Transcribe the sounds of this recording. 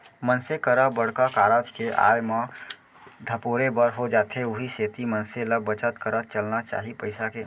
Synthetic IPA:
mənsekəɾəbəɽ̤kakaːɾaːd͡ʒkeʔa̰ːjmã | d̪ʱəpoːɾebəɾɦod͡ʒaːt̪ʰɦeʊɦiseːt̪imənseləbːət͡ʃət̪kəɾət͡ʃəlnat͡ʃa̰ːɦipəɪsakeː

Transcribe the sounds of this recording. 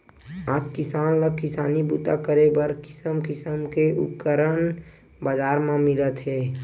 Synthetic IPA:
aːd͡ʒkɪsaːnləkɪsaːnibuːt̪a̰kəɾebəɾkɪ̥səmkɪsəmkeʔʊ̰p̚kəɾən | baːd͡ʒaːɾmãmɪlət̪ɦɛː

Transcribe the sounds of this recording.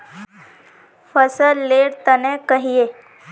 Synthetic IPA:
fəsəlːeɽt̪ənɛ̃kəɦie

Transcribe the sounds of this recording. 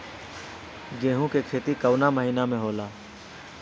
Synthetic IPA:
ɡeːɦũkekʰeːt̪ikɐwnaməɦiːnamẽɦoːlaː

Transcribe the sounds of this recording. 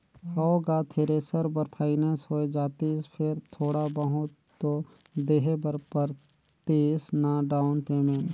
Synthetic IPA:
hɐoɡaːt̪ʰeːɾeːsəɾbəɾpʰaːɪneːnsɦoːed͡ʒaːt̪ispʰɪɾt̪ʰoːɽabəɦʊt̪ːod̪eːɦebəɾpəɾ | t̪isnaɖaːʊnpeːmẽn

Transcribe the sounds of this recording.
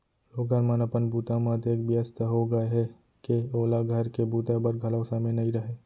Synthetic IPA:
loːɡənmənəpənbuːt̪amat̪eːkbiəst̪əɦoɡəeɦɛ | keoːlaɡʱəɾkebuːt̪abəɾɡʱɐləʊsamẽnɐɦĩɾɐɦeː

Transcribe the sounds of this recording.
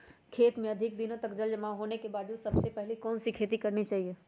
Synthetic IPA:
kʰeːt̪mẽɐd̪ʱɪk̚d̪ɪnõt̪ɐkd͡ʒɐld͡ʒɐmaɦoːnekebaːd̪d͡ʒuːd̪sɐbsepɛɦlikɔːnsikʰeːt̪ikɐɾnit͡ʃaːɦieː

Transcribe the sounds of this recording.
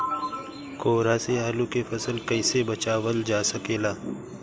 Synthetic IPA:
koːɾaːseaːlũkefɐsəlkɐɪsebɐt͡ʃaːwəld͡ʒaːsɐkeːlaː

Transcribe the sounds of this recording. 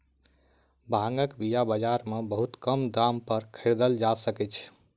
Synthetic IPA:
bʱãŋɡəkbijabəd͡ʒaɾmebəɦut̪kəmd̪ampəɾkʰeɾd̪əld͡ʒasəkɛt͡ʃʰ

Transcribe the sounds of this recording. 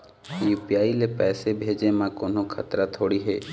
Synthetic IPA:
jupjaːilepɛːsebʱeːd͡ʒemãkoːnokʰət̪ɾat̪ʰoːɽiɦḛː

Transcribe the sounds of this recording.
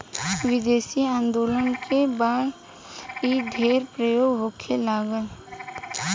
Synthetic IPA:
ʋɪd̪eːsiãːnd̪oːlənkebaːd̪ | iɖʱeːɾpɾəjoːɡɦokʰːelaːɡəl

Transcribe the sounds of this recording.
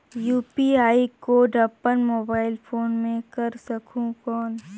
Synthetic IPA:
juːpiaːikoːɖɐpːənmoːbaːɪlfʰoːnmẽkɐɾsɐkʰũkɔːn

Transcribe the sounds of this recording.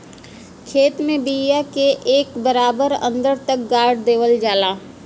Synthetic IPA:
kʰeːt̪mẽbijakeʔeːkbəɾaːbəɾə̰̃nd̪əɾt̪ək̚ɡaːɾɖd̪eːʋəld͡ʒaːlaː

